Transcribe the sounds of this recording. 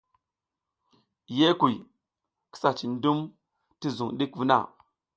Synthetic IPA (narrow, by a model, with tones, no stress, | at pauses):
je˦ku˨j | ki̥˦sa˨t͡ʃi˨ndu˦m | ti˦zu˨ŋɗi˦kvu˦na̰˦˨